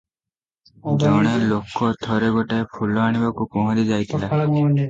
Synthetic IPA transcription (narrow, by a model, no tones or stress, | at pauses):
d͡ʒɔɽ̃elokɔt̪ʰɔɾeɡɔʈaepʰulɔaɽ̃ibakupɔɦɔ̃ɾid͡ʒajt̪ʰila